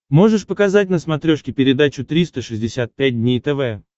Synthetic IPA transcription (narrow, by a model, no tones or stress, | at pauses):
mo̞ʐɨʂpəkɐzat̚ʲnəsmɐt̪ɾʲo̞ʂkʲɪpʲɪɾʲɪd̪at͡ɕʊt̪ɾʲist̪əʂɨzʲdʲɪsʲat̪̚pʲæt̚ʲdʲnʲejt̪ɛvɛ